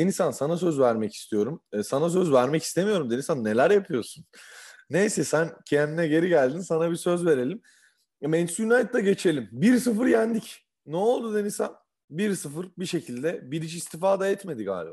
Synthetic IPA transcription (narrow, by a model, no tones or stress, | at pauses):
d̪e̞nisænsanas̬øzvæɾmɛci̥st̪ʰijo̞ɾumːsanas̬øzvæɾmɛci̥st̪ʰe̞mijo̞ɾumd̪enisanːe̞lʲæɾjapʰɯjo̞ɾsunnejsɛsæncʰend̪inɛɟe̞ɾiɟælʲd̪insanabisøzve̞ɾe̞lʲim | mɛnsynajt̪d̪ɛɟe̞t͡ʃʰe̞lʲimbiɾsɯfɯɾjænd̪ic̪ː | ɛolˠd̪ud̪e̞nisan | biɾsɯfɯɾbiʃe̞cʰilʲd̪ɛbiɾit͡ʃist̪ʰifaːd̪aɛt̪me̞d̪iɡa̰ːlʲeba̰